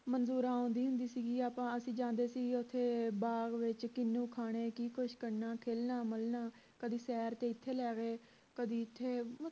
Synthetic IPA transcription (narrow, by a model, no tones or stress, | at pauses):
mənzuːɾãːõːnd̪iːɦʊnd̪iːsiːɡiːaːpãːəsĩːd͡ʒãːnd̪eːsiːɡʊt̪ʰːeːbaːɡʋɪt͡ʃkɪnːũːkʰaːɽ̃eːkiːkʊʃkəɾnaːkʰeːlnaːməlnaː | kəd̪iːsɛːɾt̪eːɪt̪ʰːeːlɛːɡeː | kəd̪iːɪt̪ʰːeːm